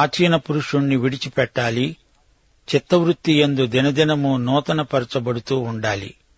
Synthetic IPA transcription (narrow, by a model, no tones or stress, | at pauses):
aːt͡ʃiːnɐpuɾuʂuɳːiʋiɽit͡ʃipɛʈːaːli | t͡ʃit̪ːɐʋɾut̪ːijend̪ud̪inɐd̪inɐmunɔːt̪ɐnɐpɐɾɐt͡ʃɐbɐɽut̪uːɳɖaːlḭ